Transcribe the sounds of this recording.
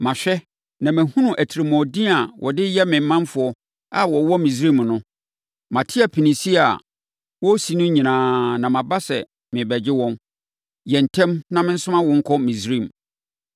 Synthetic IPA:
mã˨ɕᶣɛ˦ | nã˨mæ̃˨hũ˦nũ˦ʔæ˨tʰi˨ɾi˨mɔ̃˨dĩ˦a˨wʔɔ̰˨dɪ˦jɛ˦mɪ̃˨m˨˦mã˦nfʊ˨ɔ˦ | a˨wɔ˨wɔ˦mĩ˨s̬ɾĩ˦˨m˨nʊ̃˦ | mã˨tʰɪ˦a˨pʰi˨nĩ˨si˦a˨ | wɔ˦si˨nʊ̃˦ɲĩ˨nãː˨nã˨mã˨ba˦sɛ̰˨ | mɪ̃˨bɛ˨d͡ʑɪ˦wɔ̃˦n | jɛ˨n̩˨tʰɛ̃˦mnã˦mɪ̃˦n̩˦sʊ̃˦mã˦wɔ̃˦ŋ̩˦kʰɔ˦mĩ˨sɾĩ˦˨m

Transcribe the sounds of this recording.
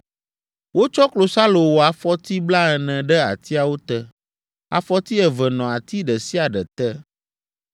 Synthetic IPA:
wo˦t͡ʃɔ˦klo˨sa˦lo˨wo˨a˨fɔ˦t̪i˦bla˦ɛ˨nɛ̃˨ɖɛ˦a̰˨t̪i˦a˨wo˦t̪ɛ˦ | a̰˨fɔ˦t̪i˦ɛ˨vɛ˨nɔ̃˨a˨t̪i˦ɖɛ˨si˦a˨ɖɛ˨t̪ɛ˦

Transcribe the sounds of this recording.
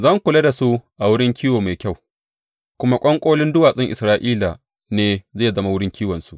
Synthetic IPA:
zɐ˦˨ŋkʷʊ˨le˦da˨su˦ʔa˨wʊ˦ɽɪ˦ŋkʲʰiː˦woː˨ma˨jkʲa˦˨w | kʷʊ˦ma˦kʷʼɔ˦ŋkʷʼoː˦lɪ˦ndʊ˦waː˨sʼɪ˦ŋʔɪ˨sɾaː˦ʔiː˦la˨ | neː˦zeː˦˨zɐ˦ma˦wʊ˦ɽɪ˦ŋkʲʰiː˦wɐ˨nsu˦ʔ

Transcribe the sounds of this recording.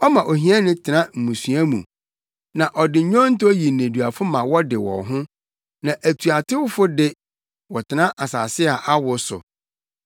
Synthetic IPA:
ɔ˦mã˨ʔo˨ɦĩ˦a˦nɪ̃˦tʰɪ˨ã˦m̩˨mũ˨su˨˦æ˦mṵ̃˨ | nã˨ʔɔ˨dɪ˨ɲ̩˨ɲᶣɔ̃˦n̩˦tɔ˦ji˨n̩˨ẽ˨du˨a˨fʊ˦mã˨wɔ˦dɪ˨wɔ̰̃˨ɦʊ̃˦ | nã˨ʔæ˨tʰu˨a˨tʰɪ˦wʊ˦fʊ˦dɪ˦ | wɔ˨tʰɪ˨nã˦ʔa˨sa̰ː˨sɪ˦a˨ʔa˦wʊ˨sʊ̰˨

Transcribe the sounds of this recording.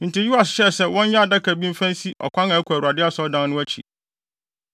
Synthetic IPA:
n̩˨tʰɪ˨ju˦a˨sɕɛ˦˨sɛ˦wɔ̃˦ɲ˦jɛ˦a˨da˦kʰæ˨bĩ˦m̩˦fæ̃˦n˦si˦ʔɔ̰˨kʰʷã˦nã˨æ˦kʰu˨æ˨u˨a˨dɪ˦a˦sɔ˦dã˦n˦nʊ̃˦æ˦t͡ɕʰḭ˨

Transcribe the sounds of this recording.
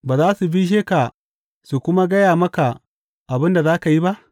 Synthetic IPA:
baː˨zaː˦su˨bi˦ʃ̬eː˦ka˨ | su˨kʷʊ˦ma˦ɡɐ˦jaː˨mɐ˦ka˨ | ʔa˨bɪ˦nda˨zaː˦ka˨ji˦ba˦ʔ

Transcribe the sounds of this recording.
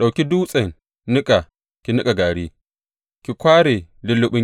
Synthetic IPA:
ɗa˨wkʲi˦duː˦sʼɐ˨ŋ | nɪ˦kʼa˨ | kʲi˨nɪ˦kʼa˨ɡaː˨ɽi˦ | kʲi˨kʷaː˦ɽe˨lɪ˦lːʊ˦ɓʊ˦

